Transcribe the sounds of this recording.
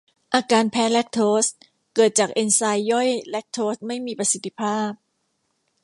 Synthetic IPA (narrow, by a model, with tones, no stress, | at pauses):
ʔaː˧kaː˧npʰɛː˦˥lɛ˦˥k̚t̪ʰoː˦˥s | kɤː˨˩t̪̚t͡ɕaː˨˩k̚ʔe˧nsa˧jːɔ˥˩jlɛ˦˥k̚t̪ʰoː˦˥st̪̚ma˥˩jmiː˧pɾa˧si˨˩t̪ʰːi̥˦˧˥pʰaː˥˩p̚